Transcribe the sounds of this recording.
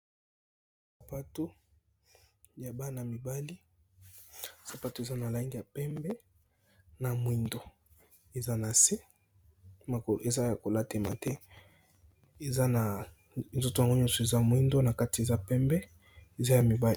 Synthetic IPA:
ssa˨pa˦to˦ | ja˨ba˦na˨mi˨ba˦li˦ | sa˨pa˦to˦e˨za˦na˨la˨i˦ŋɡi˨ja˨pɛ˦mbɛ˦ | na˨mwi˨ndo˨ | e˨za˦na˨se˦ | ma˨ko˨le˨za˦ja˨ko˨la˦te˨ma̰˨tɛ˦ | e˨za˦na˨ | nzo˦to˨ja˨ŋɡo˦ɲɔ̃˦sɔ˨e˨za˦mwi˦ndo˦na˨ka˦ti˨e˨za˦pɛ˦mbɛ˦ | e˨za˦ja˨mi˨ba˦l

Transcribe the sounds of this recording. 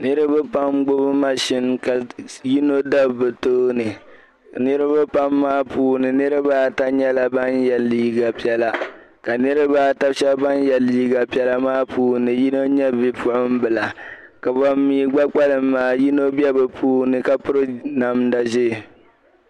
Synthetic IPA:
nɨ˦ɾɨ˦bɨ˦pa˦mɡ͡bʊ˦bɨ˦ma˦ʃɪ˦nka˨ji˦no˦da˦bbɨ˨toː˦nɨ˨ | nɨ˦ɾɨ˦bɨ˦pa˦mːaː˦puː˦nɨ˨nɨ˦ɾɨ˦ba˦˨ta˦ɲɛ˦la˨ba˦njɛ˨lːiː˦ɡa˨pi˨ɛ˨la˨ | ka˨nɨ˦ɾɨ˦ba˦ta˦bʃɛ˦bba˦njɛ˨lːiː˦ɡa˨pi˨ɛ˦la˦maː˦puː˦nɨ˨ji˦no˦ɲɛ˦bi˦pʰʊ˦ʔʊ˦m̩˦bɨ˨la˨ | ka˨ba˨mːiː˨˦ɡ͡ba˦k͡pa˦lɨ˨mːaː˦ji˦no˦bɛ˦bɨ˨pʰuː˦hnɨ˨ka˦pʊ˦ɾɨ˦na˨mda˨ʒɪ˦˨

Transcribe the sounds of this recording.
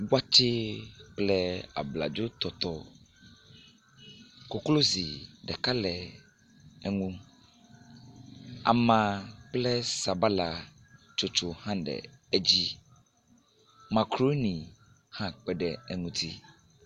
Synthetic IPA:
wa˦t͡ʃe˦k͡plɛ˦a̰˨bla̰˨d͡ʒo˦t̪ɔ˨t̪ɔ˦ | ko˦klo˦zi˨ɖɛ˨ka˦lɛ˨ | ɛ˨ŋũ˦ | a̰˨mã˨k͡plɛ˦sa˨ba˦la˨ | t͡ʃo˨t͡ʃo˨hã˦ɖɛ̰˨e˦d͡ʑi˦ | mã˨kɾo˦nĩ˨ | hã˦k͡pɛ˦ɖɛ˨ɛ˦ŋũ˦t̪ʰi˦

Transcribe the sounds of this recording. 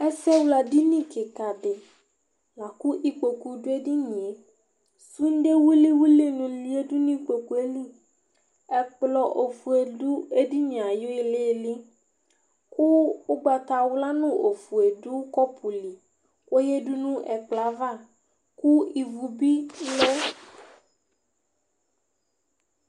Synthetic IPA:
ɛ˦sɛ˦wla˨di˦nĩ˦kɪ˨ka˨dɪ˨ | la˨kʊ˦ʔi˨k͡po˨ku˨dʊ˦e˦di˦ɲĩ˨e˨ | su˦n̩˦ɖe˦wu˦li˦wu˦li˦nʊ̃˨lu˦e˦dʊ˦nũ˦k͡po˨ku˨e˦li˦ | ɛ˨k͡plɔ˨ʔo˨fu˨e˨dʊ˦e˦di˦ɲ˨a˨jo˦ɪ˦lɪ˦˨lɪ˦ | ku˦u˦ɡ͡ba˨t̪a˨wla˦nũ˦ʔo˨fu˨e˨du˦kɔ˦pʰu˨li˨ | ko˦je˦ɖu˦nũ˦ʔɛ˨k͡pla˨va˦˨ | ku˦i˨vu˨bi˦le˦

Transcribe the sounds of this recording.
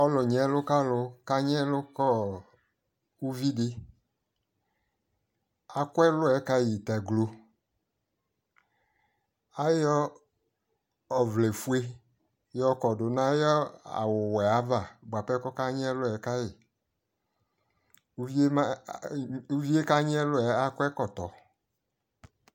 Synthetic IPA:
ɔ˦lɔ˨ɲɛ˨˦lʊ˦ka˦lʊ˧ka˦ɲ˦ɛ˦lʊ˦kɔ˦ | u˦vi˦dɪ˦ | a˨kʊ˦ɛ˦lʊ˦ɛ˨˦ka˦ji˨t̪a˨ɡlo˨ | a˦jɔ˦ | ɔ˨vle˨fu˦e˦ | jɔ˦kɔ˨dʊ˨nã˦jɔ˦a̰˨wʊ˨wɛ˨a˦va˦˨bwa˨pɛ˦kɔ˦ka˦ɲ˦ɛ˦lʊ˦ɛ˨˦ka˦jei˨ | u˦vi˦ | u˦vi˦e˦ka˦ɲ˦ɛ˦lʊ˦ɛ˨˦a˦kʷɛ˦kɔ˨t̪ɔ˨

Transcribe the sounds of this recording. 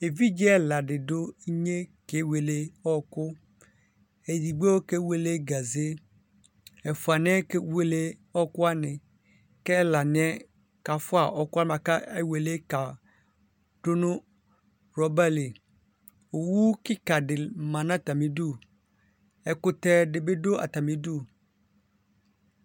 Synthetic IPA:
e˨vi˦d͡ʒi˦ɛ˦la˨ɖɪ˨dʊ˦ɲe˦ke˦we˨le˦ɔ˦kʊ˦ | e˨di˨ɡ͡be˦wo˦ke˦we˦le˦ɡa˨ze˦ | ɛ˨fʊ˨a˨n˦ɛ˦ke˦we˦le˦ɔ˦kʊ˦a˦nɪ̃˨ | kɛ˦la˨nɪ̃˨˦ɛ˦ | ka˨fʊ˦a˨ʔɔ˦kʊ˦a˦ã˨ka˦e˦we˨le˦ka˨ | ɖ̥ʊ˦nʊ̃˦ | ɾɔ˦ba˦li˨ | o˨wu˦kɪ˦ka˨ɖɪ˨mã˨nã˦t̪a˨mĩ˨du˦˨ | ɛ˨kʊ˦t̪ɛ˦ɖɪ˨be˦ɖo˦a̰˨t̪a˨mĩ˨du˦

